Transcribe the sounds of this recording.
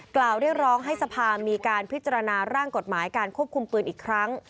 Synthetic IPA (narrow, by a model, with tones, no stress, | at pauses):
klaː˨˩wɾi˥˩ət̚ɾɔː˦˥ŋɦa˥˩jsa˧pʰaː˧miː˧kaː˧npʰi˦˥t̪̚t͡ɕa˧ɾa˧naː˧ɾaː˥˩ŋko˨˩t̪̚maː˩˦jkaː˧nkʰu˥˩əp̚kʰu˧mpɯː˧nʔiː˨˩kʰɾa˦˥ŋ